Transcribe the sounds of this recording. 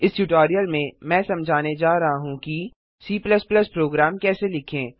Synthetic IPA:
ɪsʈuʈoːɾijəlmẽmɛ̃ːsɐ̃md͡ʒʱaːned͡ʒaːɾɐɦaɦũki | siːplɐsplɐspɾoːɡɾaːmkɛːselɪkʰẽː

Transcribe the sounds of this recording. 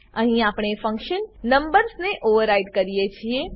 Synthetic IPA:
ɐɦĩaːpɽ̃efɐ̃ŋkʃənːɐ̃mbəɾsnẽʔoːʋəɾaːɪɖkɐɾijet͡ʃʰieː

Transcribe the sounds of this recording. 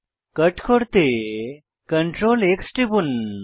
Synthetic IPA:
kəʈkʰoɽt̪e | kəɳʈɾoleksʈibun

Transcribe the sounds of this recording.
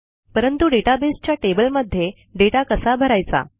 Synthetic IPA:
pəɾənt̪uɖeʈabest͡ɕjaʈebəlməd̪ʱːje | ɖeʈakəsabʱəɾajt͡sa̰

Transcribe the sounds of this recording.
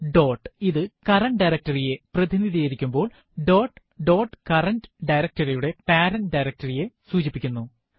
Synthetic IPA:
ɖo̞ːʈiðɨkɐrɐɳɖɐjɾɐk̚tɐrije̞prɐðiniðijɐjiɾikʲːumbo̞ːɭ | ɖo̞ːʈ | ɖo̞ːʈkɐrɐnɖɖɐjɾɐk̚tɐrijuɽe̞paːɾɐnɖɐjɾɐk̚tɐrije̞suːt͡ɕipːikʲːunːu

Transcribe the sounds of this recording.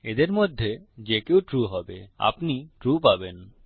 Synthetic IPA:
ed̪eɾmod̪ʱːed͡ʑekewʈɾuɦɔbea̰pniʈɾupaben

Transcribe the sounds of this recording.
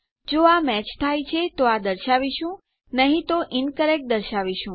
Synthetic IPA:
d͡ʒoamɛt͡ʃt̪ʰajt͡ʃʰet̪oad̪əɾʃaʋiʃũ | nəɦĩt̪oʔɪnkəɾɛk̚ʈ̚d̪əɾʃaʋiʃũ

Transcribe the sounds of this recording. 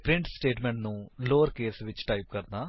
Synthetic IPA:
pɾɪɳʈsʈeːʈmeɳʈnuloːʋɐɾkeːsʋit͡ɕːɨ̥ʈɐjp̚kɐɾna

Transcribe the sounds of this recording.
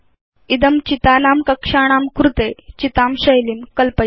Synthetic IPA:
id̪əmt͡ɕit̪aːnaːmkəkʂaːɽ̃aːmkɾut̪et͡ɕit̪aːmɕəjliːmkəlpə

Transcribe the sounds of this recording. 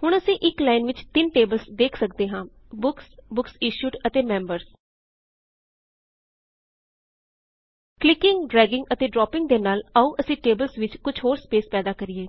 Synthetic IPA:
hʊɳ̃əsĩːʔɪklaːɪnʋɪt͡ʃt̪ɪnʈeːbəlsd̪eːkʰsək̚d̪eːɦãː | bʊksbʊksiːʃuːʈət̪eːmɛ̃ːmbəɾs | klɪkɪŋɡɖɾɛːɡɪ̃ŋɡət̪eːɖɾɔːpɪŋɡd̪eːnaːləũːʔəsĩːʈeːbəlsʋɪt͡ʃkʊd͡ʒɦoːɾspeːspɛːd̪aːkəɾieː

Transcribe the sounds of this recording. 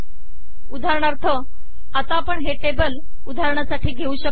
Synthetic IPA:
ud̪ʱaɾɳ̃aɾt̪ʰə | at̪apəɳɦeʈebəl | ud̪ʱaɾɳjasaʈʰiːɡʱeuːɕək̚

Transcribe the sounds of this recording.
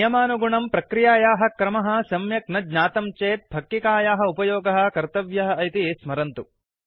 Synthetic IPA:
jɐmaːnuɡuɳɐmpɾɐkɾijaːjaːɦɐ̆kɾɐmɐɦɐ̆sɐmjɐk̚nɐɡɲaːt̪ɐmt͡ʃeːt̪̚bʱɐkːikaːjaːɦɐ̆upɐjoːɡɐɦɐ̆kɐɾt̪ɐʋjɐɦɐɐjt̪ismɐɾɐnt̪u

